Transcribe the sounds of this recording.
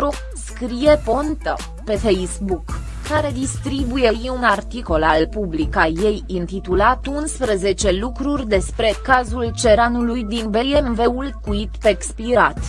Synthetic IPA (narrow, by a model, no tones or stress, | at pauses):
ɾo | skɾije̞po̞nt̪ə̰ | pe̞fejsbukː | aɾe̞d̪ist̪ɾibuje̞jiunart̪iko̞lallpublikaje̞jɨnt̪it̪ulat̪unspɾəze̞t͡ʃe̞lukɾurʲd̪e̞spɾe̞kazult͡ʃe̞ɾanulujd̪inbejemve̞ulkuit̪pekspiɾat̪